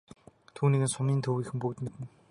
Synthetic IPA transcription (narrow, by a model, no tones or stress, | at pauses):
t̪ʰuːniːɣɘ̆nsʊmiːnt̪ʰɵwiːxɘ̆mpɵkt̪met̪ɘ̆n